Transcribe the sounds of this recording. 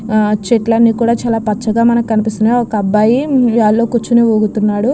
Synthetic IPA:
t͡ʃeʈlɐnːikuːɽaːt͡ʃaːlaːpɐt͡ʃːɐɡaːmɐnɐkkɐnipist̪uneːɔkɐɐbːaːjijaːlːo̞ːkut͡ʃːuneoːɡut̪unːaːɽu

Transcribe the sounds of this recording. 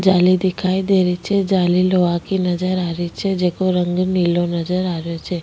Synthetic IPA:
d͡ʒalid̪ikʰaid̪eɾit͡ʃʰed͡ʒaliloʋakinəd͡ʒəɾaɾit͡ʃʰed͡ʒekoɾəŋɡnilonəd͡ʒəɾaʋjot͡ʃʰe

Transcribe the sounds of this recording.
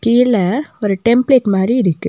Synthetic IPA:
kiːlɐɔɾɯʈɛmpɭeːʈmaːd̪ɾiɪɾɯkːɯ̰

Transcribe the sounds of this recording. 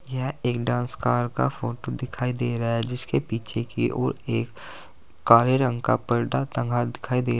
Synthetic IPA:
jɛɦeːkɖãːnskaːɾka̰foːʈod̪ɪkʰaːid̪eːɾaɛd͡ʒɪskepiːt͡ʃʰekiʔoːɾeːkː | aːɾeɾə̃ŋɡka̰pɐɾɖat̪ə̃ŋɡʱad̪ɪkʰaːid̪eː

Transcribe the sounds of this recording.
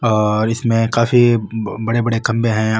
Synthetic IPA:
ɔːɾɪsmẽkaːfibɐɽebɐɽekɐ̃mbeɦɛ̃

